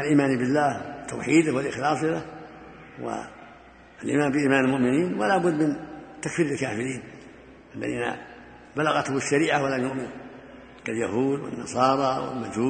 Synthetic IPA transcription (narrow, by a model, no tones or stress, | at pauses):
ʔalʔiːmaːnbɪlːaːhɪt̪ːa̰wħiːd̪ʊwalʔɪxlɑːsˤɪla | wa̰ | alʔḭːmaːmbɪʔiːmaːnalmʊʔmɪniːnwa̰laːbʊd̪ːmɪnt̪akfiːɾalkaːfɪɾiːn | ʔalːa̰ðiːna̰ | balaɣat̪hʊɪʃːaɾiːʕawalamjʊʔmɪn | kaljahuːd̪wɪ̰nːɑ̰sˤɑːɾˤɑwɪ̰lmad͡ʒhuː